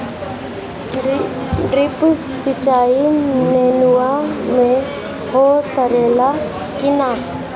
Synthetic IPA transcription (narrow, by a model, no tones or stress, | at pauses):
ripʼusɪt͡ʃʼaim̩nenuwamɛ | hɔɬarɛla | kʼɪna